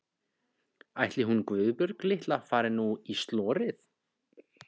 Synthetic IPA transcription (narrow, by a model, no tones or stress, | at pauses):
ajht̪lɪɦunkvʏːðpʏɾklɪht̪lafaːɾɪnuist̪lɔːɾɪθ